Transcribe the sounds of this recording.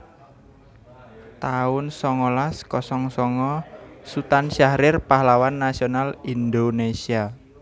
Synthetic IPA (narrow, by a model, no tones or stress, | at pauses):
t̪aʊnsɔŋɔlaskɔsɔŋsɔŋɔsut̪anʃaɾɪrpahlawanːasionalind̪onesia